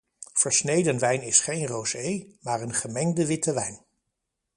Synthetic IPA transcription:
v̥əɹsnejdənʋɛjnɪsχejnrowzejmaːɹənχəmɛŋdəʋɪtəʋɛjn

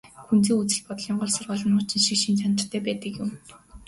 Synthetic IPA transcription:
xunt͡siːŋut͡sɘ̆ɮpɔt̪ɮiːɴɢʊːɮsʊrʁʊːɮə̆nʊːt͡ɕɪ̆nʃikʃint͡ɕanə̆rt̪ʰæːpæːt̪ə̆kjʊm

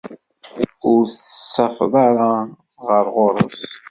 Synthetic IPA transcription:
ʊɾθəsːɑfðˤɑɾˤɑ | ʁəɾˤʁʊɾˤə̰s

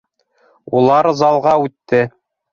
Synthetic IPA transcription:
ulˠɑɾzɑlˠʁɑʉt̪ːɘ

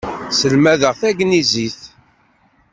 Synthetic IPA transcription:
səlmæðəʁθæɡniziθ

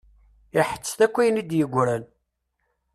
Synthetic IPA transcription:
ɪħə̥t͡sːθækʷːijnid̪jəɡʷːɾæl

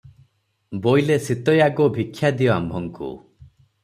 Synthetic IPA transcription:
bojlesit̪ɔjaɡobʱikʰːjad̪ijɔambʱɔŋkṵ

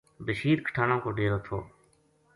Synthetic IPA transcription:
bəʃiːɾkʰə̥ʈʰaːnõːkoːɖeːɾoːt̪ʰo̰ː

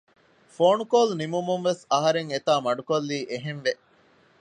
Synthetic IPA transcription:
foːnukoːlnimumunʋesɐɦɐɾeŋet̪aːmɐɖukolːiːʔeɦenʋe

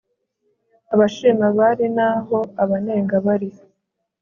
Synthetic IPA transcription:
aβaʃimaβaɾinaːɦo̞aβane̞ːŋɡaβaɾi

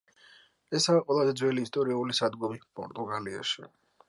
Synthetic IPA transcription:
ɛsaːqʼwɛlˠazɛd̪zwɛliːst̪ʼɔɾiaulisad̪ɡɔbipʼɔ̰ɾt̪ʼuɡalia̰ʃḭ

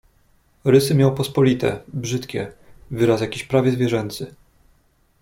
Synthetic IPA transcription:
ɾɘsɘmʲjawpɔspɔlʲit̪ɛ̰bʐɘt̪kʲɛ̰vɘɾasjakʲiɕpɾavʲjɛzvʲjɛʐɛnt̪sɘ

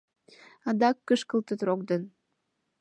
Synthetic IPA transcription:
ɑd̪ɑkːəʃkəlt̪ət̪rokd̪ən

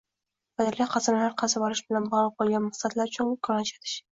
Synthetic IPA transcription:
bad̪alɡʲaqʰɑzanalaɾqʰɑzabɒɾɪʃbɪlanbɒlˠɪp̚bolˠɡʲanmaχsat̪laɾʊt͡ʃʰʊnŋkʰɒɾɒnt͡ʃʰat̪ʰɪ̥ʃ

